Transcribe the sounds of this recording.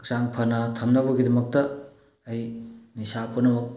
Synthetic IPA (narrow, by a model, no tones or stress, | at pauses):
ksaŋpʰɐnatʰɐmnɐbɐɡidɐmɐk̚tɐː | jnisapunɐbɐk̚